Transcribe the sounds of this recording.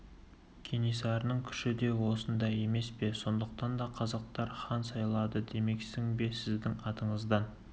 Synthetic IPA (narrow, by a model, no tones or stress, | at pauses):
kʲʰenisɑɾənəɴkʲʰʏ̥ʃɪd̪e̞wo̞sənd̪ɑje̞me̞spe̞so̞nd̪əq̚t̪ɑnd̪ɑqʰɑzɑq̚t̪ɑɾχɑnsɑjlˠɑd̪əd̪e̞me̞ksɪŋbe̞sɪzd̪ɪŋɑt̪əɴəzd̪ɑn